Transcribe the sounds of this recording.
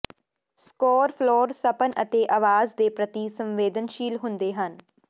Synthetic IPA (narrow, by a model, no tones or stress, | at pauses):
skɔːɾpʰlɔːɾsəpənət̪eːʔaːʋaːzd̪eːpɾət̪isə̃mʋeːd̪ənʃiːlɦʊnd̪eːɦən